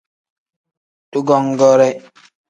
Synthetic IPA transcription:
tu˦ɡɔ˦ŋɡɔ˦ɾɛ˦

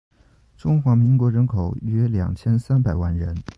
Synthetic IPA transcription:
ʈ͡ʂʊ˥ŋxwa˧˥mi˧˥ŋkwɔ˧˥ɻə˧˥nkʰo˨˩ʊɥɛ˥ljɑ̰˨˩ŋt͡ɕʰjɛ˥nsa˥npa˨˩ɪwa˥nɻə˧˥n

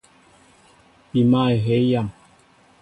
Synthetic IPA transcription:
pi˨ma˦˨e˨ɦɛ˨˦ja˦˨ŋ

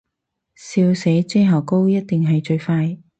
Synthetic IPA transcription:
siː˧wse˨˥jt͡se˥ɦɐː˨˩ko˥wjɐ˥t̚t̪ɪ˨˩ŋɦɐ˨˩jt͡ʃɵ˧ɥfaː˧j

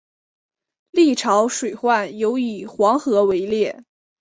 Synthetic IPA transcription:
li˥˩ʈ͡ʂʰɑ˧˥ʊʂwe˨˩ɪxwa˥˩njo˧˥ʊi˨˩xwɑ˧˥ŋxɤ˧˥we˧˥ɪljɛ˥˩

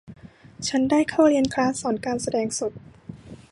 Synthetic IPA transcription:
t͡ɕʰa˦˥ndaː˥˩jkʰa˥˩wɾi˧ənkʰɾaː˦˥sɔː˩˦nkaː˧nsa˧dɛː˧ŋso˨˩t̪̚

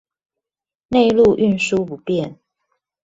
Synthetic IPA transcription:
ne˥˧ɪlu˥˨ʔy˥˨nʂu˦pu˨˦pjɛ˥˨n

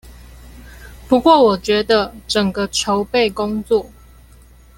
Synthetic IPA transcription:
pu˧˦kwɔ˥˨wɔ˨˩t͡ɕɥɛ˧˥d̪ə˧ʈ͡ʂə˨˩ŋɡə˨ʈ͡ʂʰo˨˦ʊpe˥˨ɪko˦ŋt͡swɔ˥˨

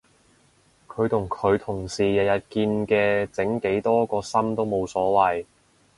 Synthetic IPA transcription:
kʰɵ˨˧ɥt̪ʰʊ˨˩ŋkʰɵ˨˧ɥt̪ʰʊ˨˩ŋsiː˨jɐ˨jɐ˨˩t̚kiː˧nkɛː˧t͡sɪ˨˥ŋke˨˥jt̪ɔː˥kɔː˧sɐ˥mt̪o˥wmo˨˧wsɔː˨˥wɐ˨j

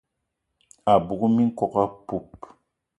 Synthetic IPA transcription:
a˨bu˨ku˦mi˦ŋ̩˦kɔ˨ka˦pu˨p

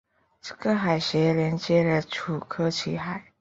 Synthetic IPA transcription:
ʈ͡ʂɤ˥˩ɡə˧xa˨˩ɪɕjɛ˧˥ljɛ˧˥nt͡ɕjɛ˥lə˨ʈ͡ʂʰu˨˩kʰɤ˥t͡ɕʰi˧˥xa˨˩˦ɪ

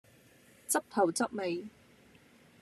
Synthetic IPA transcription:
t͡sɐ˥p̚t̪ʰɐ˨˩wt͡sɐ˥p̚me˨˧j

